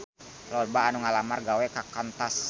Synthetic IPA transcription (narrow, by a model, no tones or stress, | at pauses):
lɔlbaːnuŋalamarɡawɛkakant̪as